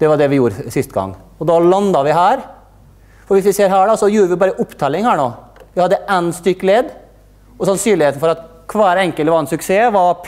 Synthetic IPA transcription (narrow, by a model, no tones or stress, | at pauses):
d̪̥ɛʋɑɖɛʋɪjuːɾəsɪst̪əɡɑ̰ŋː | ɔd̪ɑlɑnd̪ɑʋɪɦæːɾ | fɔɾʋɪsʋɪseːɾɦæːɖɑsɔjuːɾəʋɪbɑːɾəʔʊpːt̪ʰɑːlɪŋhæːɳoːʋɪhɑd̪ːəʔɛnst̪ʏkːleːd̪ | ɔsɑnsyːɭɪheːt̪n̩fɔɾɑt̪kʰʋæːɾɛŋkəlʋɑɾɛnsʉkseːʋɑ